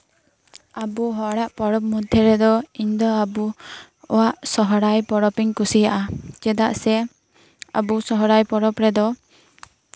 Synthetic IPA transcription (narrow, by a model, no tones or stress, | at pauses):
abuɦɔʔɽaʔpɔɽɔp̚mud̪ʱjɔɾɛd̪ɔiɲd̪ɔabu | ɔ̰waʔsɔɦɔɽajpɔɽɔpiŋkusijaʔad͡ʒɛd̪aʔsɛ | a̰busɔɦɔɽajpɔɽɔpɾɛd̪ɔ